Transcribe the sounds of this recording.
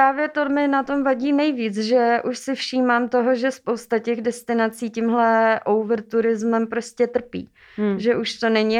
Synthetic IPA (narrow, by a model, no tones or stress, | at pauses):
pɾaːvjɛt̪omɪnat̪o̞mvaɟiːnɛjviːt͡sʒɛʔuʃsɪfʃiːmaːmt̪o̞ɦo̞ʒɛspowst̪acɛɣdɛst̪ɪnat͡siːcimɦlɛʔowvɾt̪uɾɪzmɛmpɾo̞scʲɛt̪r̩pḭː | ʒɛʔuʃt̪o̞nɛɲɪ